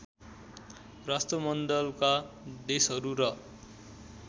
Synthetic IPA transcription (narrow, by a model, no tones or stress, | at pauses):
rast̪ʌmʌnd̪ʌlka | d̪esɦʌɾuɾʌ